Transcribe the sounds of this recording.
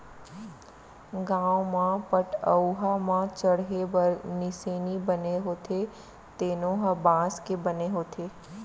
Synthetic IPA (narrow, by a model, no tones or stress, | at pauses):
ɡãːwmãpəʈəuɦamãt͡ʃəɽɦebɐɾnɪseːnibɐneɦoːt̪ʰe | t̪eːnõɦɐbãːskebɐneɦoːt̪ʰeː